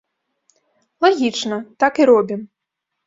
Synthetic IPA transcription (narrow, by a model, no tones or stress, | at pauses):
lˠaɣʲit͡ʂnɐt̪akiɾɔbʲim